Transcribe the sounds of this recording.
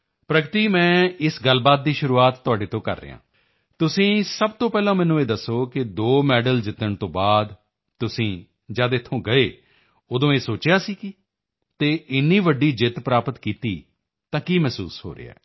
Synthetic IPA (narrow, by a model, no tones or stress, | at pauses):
pɾəkt̪iːmɛ̃ːɪsɡəlbaːt̪̚d̪iːʃʊɾuːaːt̪ːʊaːɖeːt̪õːkə̰ɾːḛːã̰ː | t̪ʊsĩːsəb̚t̪õːpɛːlãːmɛ̃ːnũːeːd̪əsːoːkɪd̪oːmɛːɖəld͡ʒɪt̪əɳt̪õːbaːd̪ | t̪ʊsĩː | d͡ʒaːd̪ɪt̪ʰːõːɡəeː | od̪õːeːsoːt͡ʃjaːsiːkɪ | t̪eːʔɪnːiːʋəɖiːd͡ʒɪt̪pɾaːpət̪kiːt̪iː | t̪ãːkiːmɛːsṵːsɦo̰ːɾḛa̰ː